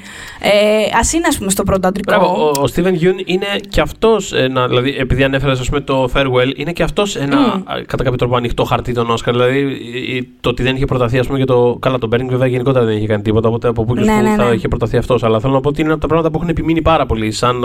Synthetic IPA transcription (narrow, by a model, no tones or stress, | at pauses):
eɐsineɐspumest̪op̬ɾot̪̬oɐd̪ɾikbevoːst̪ivenʝunine̞ceɐft̪o̞senɐðilɐðiʔepiðiɐnefe̞ɾes̬ɐspume̞t̪o̞feɾɣweline̞ceɐft̪o̞senɐ̰kɐt̪ɐkɐpçot̪ɾopoɐnixt̪o̞xɐɾt̪it̪o̞no̞skɐɾðilɐði | t̪ot̪iðe̞niçepɾo̞t̪ɐθiɐspumecɐt̪o̞kɐlɐt̪o̞beɾiŋɡveveɐʝe̞niko̞t̪eɾɐðe̞niçe̞kɐnit̪ipo̞t̪ɐopo̞t̪eɐpopukeɐiçepɾot̪ɐθiɐft̪o̞sɐlɐθe̞lonɐpoot̪ineɐpot̪ɐpɾɐɣmɐt̪ɐp̬uexunepiminipɐɾɐpo̞lisɐn